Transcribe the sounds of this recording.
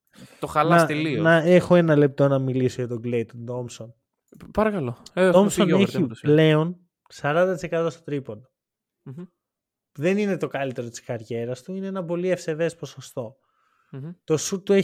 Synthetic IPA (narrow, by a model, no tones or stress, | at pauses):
t̪oxɐlɐst̪elionɐexo̞e̞nɐle̞p̚t̪o̞nɐmilisoʝɐt̪oɡlejt̪ot̪omson | pɐɾɐkɐloeomsoneçiple̞on | sɐɾɐnd̪ɐt̪ise̞kɐt̪ost̪ot̪ɾipono | ðe̞nine̞t̪o̞kɐlit̪e̞ɾot̪i̥skɐɾʝe̞ɾɐst̪uineenɐpo̞liefse̞ve̞spo̞sost̪o̞ | t̪o̞sut̪ːue